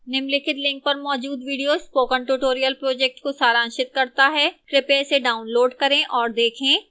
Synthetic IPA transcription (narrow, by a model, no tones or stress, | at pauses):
nɪmlɪkɪt̪lɪ̃ŋk̚pɐɾmɔːd͡ʒuːd̪ʋiːɖijospoːkə̃ɳʈuːʈoːɾijəlpɾoːd͡ʒɛk̚ʈkosaːɾãːnʃɪt̪̚kɐɾt̪aɦɛːkɾɪpeseɖaːʊnloːɖkɐɾẽʔɔːɾd̪eːkʰẽː